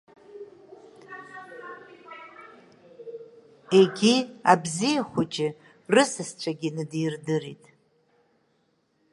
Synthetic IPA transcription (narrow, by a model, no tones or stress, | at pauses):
e̞ɡʲiabzijaχʷʊt͡ʃʼɪ | rɨsɨst͡ɕʷʰaɡʲɪnɨdrdɨɾitʼ